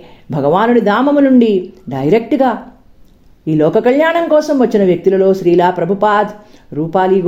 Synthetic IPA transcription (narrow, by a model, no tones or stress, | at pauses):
bʱɐɡɐʋaːnunid̪aːmɐmunuɳɖiɖɐjɾek̚ʈɡaː | iːlɔːkɐkɐʎjaːɳɐŋkɔːsɐmʋɐt͡ʃːinɐʋjɐk̚t̪ilɐlo̞ːʃɾiːlaːpɾɐbʱupaːd̪ʱɾuːpaːliɡ